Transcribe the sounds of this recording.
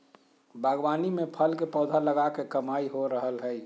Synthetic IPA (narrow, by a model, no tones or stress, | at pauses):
bʱaɡwaːnimepʰəlkepɔːd̪ʱaləɡakekəmaiɦoɾəɦəlɦəj